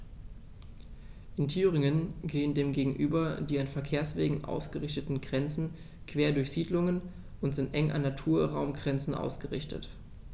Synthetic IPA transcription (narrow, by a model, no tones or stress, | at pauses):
ʔɪntʰyːʁɪŋənɡeːəndeːmɡeːɡŋ̩ʔyːbɐdiːanfɛɐkʰeːɐsv̥eːɡŋ̩ʔa̰ʊsɡ̥əʁɪçtətn̩ɡʁɛnt͡sn̩ | kʰv̥eːɐdʊɐçz̥iːdlʊŋən | ʔʊntz̥ɪntʔɛŋʔa̰nːatʰuːɐʁaʊmɡʁɛnt͡sn̩ʔa̰ʊsɡ̥əʁɪ̰çtə̰t